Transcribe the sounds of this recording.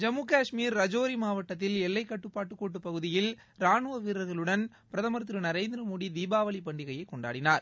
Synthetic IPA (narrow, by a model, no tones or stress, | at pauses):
d͡ʒɐmːuːkaːʂmiːɾːɐd͡ʒoːɾimaːʋɐʈːɐt̪ːɪlɛlːɐɪkːɐʈːɯpːaːʈːɯkːoːʈ̬ːɯpːɐɣɯðɪjɪl | ɾaːnɯʋɐʋiːɾɐɾɣɐɭɯɽɐn | pɪɾɐðɐmɐɾt̪ːɾɯnɐɾeːnd̪ɪɾɐmuɽid̪iːbaːʋɐlipɐɳɖɪɣɐjɐɪkːɔɳɖa̰ːɽɪnaːɾ